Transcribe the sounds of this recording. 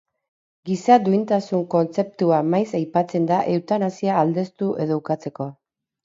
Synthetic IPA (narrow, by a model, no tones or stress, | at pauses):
ɡisad̪uint̪asuŋko̞nt͡se̞p̚t̪uamajsajpat͡se̞nd̪aʔe̞wt̪anasiaːld̪e̞st̪uʔe̞ðo̞ukat͡se̞ko̞